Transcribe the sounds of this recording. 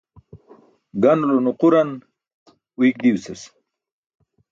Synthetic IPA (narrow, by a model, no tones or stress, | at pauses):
ɡanulonuquɾan | wik̚d̪iwses